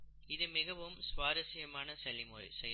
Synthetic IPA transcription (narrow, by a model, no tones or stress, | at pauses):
ɪðɯmɪɣɐʋɯmsʋaːɾɐsɪjɐmaːnɐsɛlːɪmo̰ːɻḭsɛj